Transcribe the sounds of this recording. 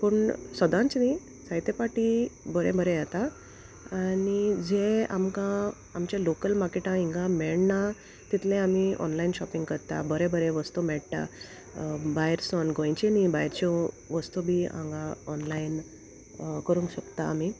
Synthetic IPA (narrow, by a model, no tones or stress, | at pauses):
pəɳsəd̪ãnt͡sni | sajt̪epaʈibəɾebəɾejat̪a | anid͡zeamkã | amt͡ɕjalokəlmaɾkeʈãiŋɡãmɛɭna | t̪it̪lẽamiʔɔ̰nlajinɕɔpĩŋɡkəɾt̪a̰bəɾẽbəɾẽʋəst̪umɛɭt̪a̰ | bajɾsɔnɡõjt͡ɕinibajɾt͡ɕɔ̃ | ʋəst̪ubʱiã̰ŋɡaɔnlain | kəɾũŋkɕəkt̪aːmi